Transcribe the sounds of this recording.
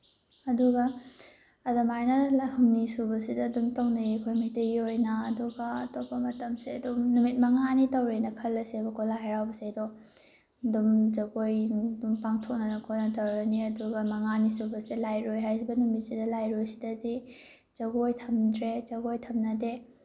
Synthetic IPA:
ɐduɡɐː | dɐmajnɐhɐmnisubɐsidɐdumtɐwnɐjikʰojmɐjtɐiojnɐːduɡɐːtobɐmɐtɐmsiɐdumnumit̚mɐŋanitɐwɾenɐkʰɐlːɐsebɐkʰolajɾawbɐsiɐdo | dumd͡ʒɐɡojdumpaŋtʰok̚nɐnɐkʰonɐtɐwɾɐniɐduɡɐmɐŋanisubɐsilajɾojɦajsʰibɐnumit̚sidɐlajɾojsi̥dɐdi | zɐɡojtʰɐmdɾed͡ʒɐɡojtʰɐmnɐde

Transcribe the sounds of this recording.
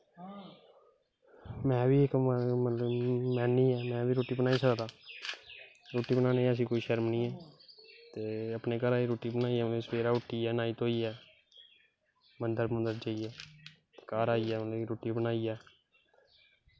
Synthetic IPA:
mɛ̃ːʋiːɪkmət̪ləbmɛ̃ːnĩːɛːmɛ̃ːʋiːɾoːʈiːbənaːiːsəkd̪aː | ɾoːʈiːbənaːneəs̬ĩːkoːiːʃəɾmnĩːɛːt̪eːəpneːkəɾaːiɾoːʈiːbənaːiɛːesʋeːɾaːʊʈːiːɛːnaːiːt̪oːiːɛː | mənd̪əɾmənd̪əɾd͡ʒaːiːɛː | t̪e̥ːkaːɾaːiːɛːmət̪ləbiɾoːʈiːbənaːiːɛː

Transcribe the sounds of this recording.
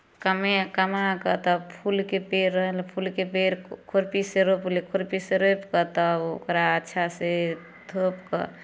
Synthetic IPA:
kəmekəmakət̪ɔpʰulkepeɾəɦəlpʰulkepeɾkʰoɾpiseɾoplekʰoɾpiseɾopkət̪ɔo̰kɾaətːʃʰase | t̪ʰopkə̰

